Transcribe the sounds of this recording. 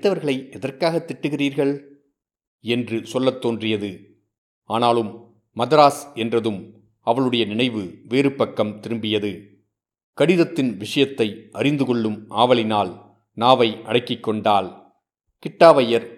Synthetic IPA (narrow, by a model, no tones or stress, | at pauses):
t̪ːɐʋɐɾɣɐɭɐɪɛðɐrkaːɣɐt̪ːɪʈːɯɣɪriːɾɣɐɭ | ɛndrɯsɔlːɐt̪ːoːndrɪjɐðɯ | aːnaːlɯmː | ɐðɐɾaːsɛndrɐðɯm | ɐʋɐɭɯɽɐjɐnɪɳɐɪʋɯʋeːɾɯpːɐkːɐmt̪ɪɾɯmbɪjɐðɯ | kɐɽɪðɐt̪ːɪnʋɪʂɐjɐt̪ːɐɪʔɐrɪnd̪ɯkɔɭːɯmʔaːʋɐɭɪnaːl | naːʋɐɪʔɐ̰ɽɐɪkːɪkːɔɳɖaːl | kɪʈːaːʋɐjɐɾ